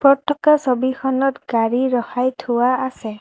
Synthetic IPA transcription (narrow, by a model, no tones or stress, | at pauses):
pɔtʰːɔkasobixʰɔnɔtɡaɹiɹɔxajtʰʊwaːsɛ